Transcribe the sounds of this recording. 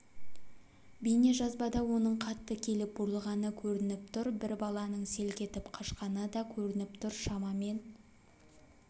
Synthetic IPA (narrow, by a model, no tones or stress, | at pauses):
bijne̞ʒɑzbɑd̪ɑwo̞nəɴqʰɑt̪ːəkʲʰe̞lɪp̚bʊɾəlˠʁɑnəkʲʰɵɾɪnɪp̚t̪ʰʊɾbɪɾbɑlˠɑnəɴse̞lkʲʰe̞t̪ɪpqʰɑʃqɑnəd̪ɑkʲʰɵɾɪnɪp̚t̪ʰʊɾʃɑmɑme̞n